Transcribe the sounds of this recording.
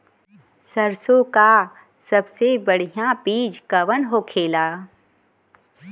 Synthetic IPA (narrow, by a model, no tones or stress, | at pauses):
səɾsõka | sɐbsebəɽ̤ijãpiːd͡ʒkɐʋənɦoːkʰeːlaː